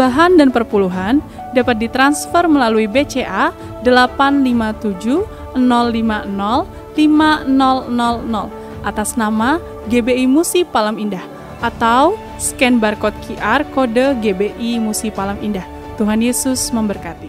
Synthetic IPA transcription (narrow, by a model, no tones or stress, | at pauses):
baɦandanpərpuluɦan | dapat̪̚dit̪ɾansfərməlaluibet͡ʃeʔa | dəlapanlimat̪ud͡ʒu | ənɔlːimanɔl | limanɔlnɔlnɔl | ʔat̪asnama | ɡebeimusipalamindah | ʔat̪aw | səkɛnbarkɔt̪̚kʰiʔarkodəɡebeʔimusipalamindah | t̪uɦanjesʊsməmbərkat̪i